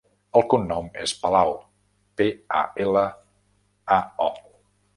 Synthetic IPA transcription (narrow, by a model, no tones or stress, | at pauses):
əlˠkunːɔmḛspəlaw | pea̰elə | aɔ